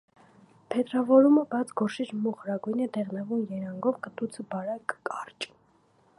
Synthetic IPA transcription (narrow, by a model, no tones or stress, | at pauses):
pʰɛt̪ɾɑvɔɾuməbɑt͡sʰɡɔɾʃit͡ʃmuχɾɑɡujnɛd̪ɛʁnɛʁunjɛɾɑŋɡɔvkət̪ut͡sʰəbɑɾɑkkʼɑrt͡ʃʼ